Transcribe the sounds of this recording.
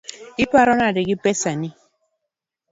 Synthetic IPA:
ipaɾɔnadɪɡipɛsani

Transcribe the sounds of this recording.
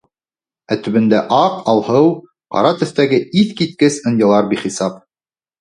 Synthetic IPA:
æt̪ɵ̆βɘ̆nd̪æʔɑqɑlˠhɤw | qɑ̰ɾɑt̪ɵ̆θt̪æɡɘiθkit̪̚kɘsɤ̆njɑlˠɑɾbiχisɑp̚

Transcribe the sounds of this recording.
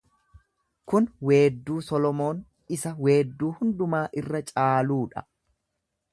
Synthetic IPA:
kʊnwe̞ːd̪ːuːsɔlɔmo̞ːn | ɪsɐwe̞ːd̪ːuːhʊnd̪ʊmaːʔɪrːɐt͡ʃʼaːluːᶑɐ̰

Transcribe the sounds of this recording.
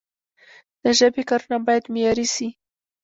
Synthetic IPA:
d̪̥əʒəbekɑɾunabɑjad̪mejɑɾisi

